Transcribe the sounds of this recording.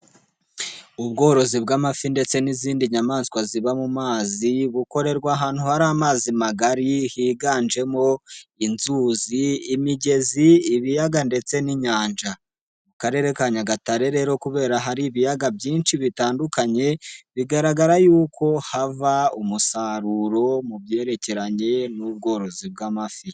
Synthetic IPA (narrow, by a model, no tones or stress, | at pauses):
ubɡo̞ːɾo̞zibɡaːmafinde̞t͡se̞niziːndiɲamaːnskwaziβamumaːziβuko̞ɾe̞ɾɡwaːɦaːn̥huhaɾaːmaːzimaɡaɾihiːɡaːnd͡ʒe̞mo̞inzuziːmiɟe̞ziːβijaɡande̞t͡se̞niɲaːnd͡ʒa | mukaɾe̞ːɾe̞kaɲaɡataɾe̞ɾe̞ːɾo̞kuβe̞ːɾaɦaɾiβijaɡabɟiːnʃiβitaːndukaɲe̞βiɡaɾaɡaɾajuːkʰo̞havaumusaɾuɾo̞mubje̞ːɾe̞ce̞ɾaɲe̞nuβɡo̞ːɾo̞zibɡamafi